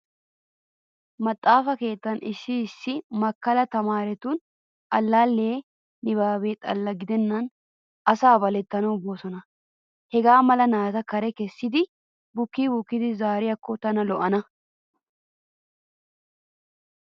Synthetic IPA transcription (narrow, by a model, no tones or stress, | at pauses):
mɐt̪ʼːaːfɐke̞ːt̪ːɐnɪsːɪːsːɪmɐkːɐlɐt̪ɐmaːɾɛt̪ʊn | ʔɐlːaːlːeː | nɪbaːbeːt̪ʼɐ̰lːɐɡɪd̪ɛnːɐn | ɐsaːbɐlɛt̪ːɐnɐbosɔnɐ | hɛɡaːmɐlɐnaːzɐkɐɾɛkɛsːɪd̪ɪ | bʊkːiːbʊkːɪd̪ɪzaːɾɪjɐkːɔt̪ɐnɐlɔʔɐnɐ